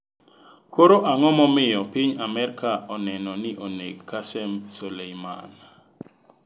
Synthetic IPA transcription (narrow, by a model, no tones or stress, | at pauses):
koɾoʔaŋɔmɔmɪjɔpiɲamɛɾkaɔnɛnɔnɪʔoneɡkːasɛmsolejma̰n